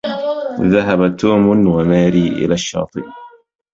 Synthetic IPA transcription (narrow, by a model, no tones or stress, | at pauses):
ðaɦabat̪uːmʊnwamaːɾiːʔɪ̰laːʃːɑ̰ːt̪ˤɨb